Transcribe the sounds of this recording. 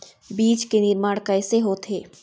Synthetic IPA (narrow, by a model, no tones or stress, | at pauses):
biːt͡ʃkenɪɾmaːɽkɐɪseɦot̪ʰɦeː